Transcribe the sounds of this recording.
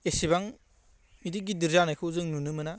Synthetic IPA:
esibaŋ | midiɡidiɾzanajkʰɯwzɯŋnunɯmɯna

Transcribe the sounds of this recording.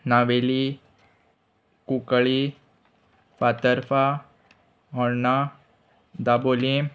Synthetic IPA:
naʋeli | kukɭi | fat̪əɾfa | ɦɔɽna | d̪abole

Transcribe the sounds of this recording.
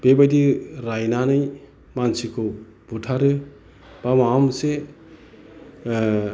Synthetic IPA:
b̥ebajdiɾajnanɯj | mansikʰɔ | b̥utʰaɾɯ | bamamse

